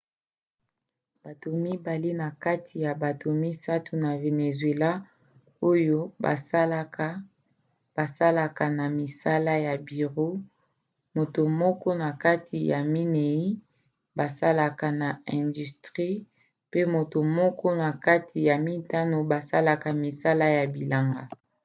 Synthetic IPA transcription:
b̥a˨to˨mi˦ba˨li˦na˨ka˦tʰi˨ja˨ba˨to˨mi˦sa˦tu˨na˨ve˨ne˨zwe˨la˦ | o˦jo˦ba̰˨sa˦l | b̥a˨sa˦la˨ka˨na˨mi˨sa˦la˦ja˨bi˨ʁo˦ | mo˨to˨mɔ˦kɔ˦na˨ka˦tʰi˨ja˨mi˦ne˨i˦ | ba˨sa˦la˨ka˨na˨ɛ̃˨ndy˨stʁi˦ | pe˦mo˨to˨mɔ˦kʰɔ˦na˨ka˦tʰi˨ja˨mi˦ta˦no˨ba˨sa˦la˨ka˨mi˨sa˦la˦ja˨bi˨la˨ŋɡa̰˨

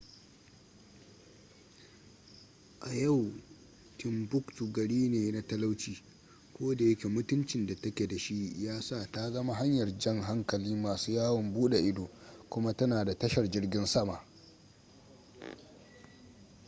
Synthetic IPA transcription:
ʔa˨ja˦˨w | tɪ˨mbʊ˦ktu˨ɡɐ˨ɽiː˦neː˨na˦tɐ˦la˦wt͡ʃiː˦ | kʷoː˦da˨jɐ˦kʲe˨mʊ˦tʊ˦nt͡ʃɪ˨nda˨tɐ˦kʲe˨da˨ʃi˦jaː˦sa˦˨ta˦ɡɐ˦ma˦ɦa˦ɲjɐ˨rd͡ʒɐ˦˨ŋɦa˦ŋkɐ˨liː˦maː˨suː˦jaː˦wɔ˨mbuː˦ɗe˨ʔɪ˦doː˨kʷʊ˦ma˦tɐ˦naː˨da˨tɐ˦ʃɐ˨rd͡ʒɪ˦rɡʲɪ˦nsɐ˦maː˨

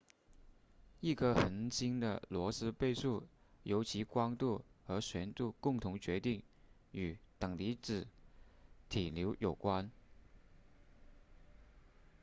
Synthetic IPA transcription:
i˥˩kʰə˥xə˧˥nt͡ɕi˥ŋd̪ə̰˨lwɔ˧˥sɹ̩˥pe˥˧ɪʂu˥˩ | jo˧˥ʊt͡ɕʰi˧˥kwɑ˥ŋt̪u˥˩xɤ˧˥ɕɥɛ˧˥nt̪u˥˧kʊ˥˩ŋt̪ʰʊ˧˥ŋt͡ɕɥɛ˧˥t̪i˥˩ŋ | y˨˩t̪ɤ˨˩ŋli˧˥t͡sɻ̩˨˩ | t̪ʰi˨˩ljo˧˥ʊjo˨˩ʊkwa˥n

